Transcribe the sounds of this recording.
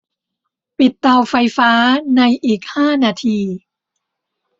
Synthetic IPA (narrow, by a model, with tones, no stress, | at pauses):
pi˨˩t̪ːa˧wfa˧jfaː˦˥na˧jʔiː˨˩k̚haː˥˩naː˧t̪ʰiː˧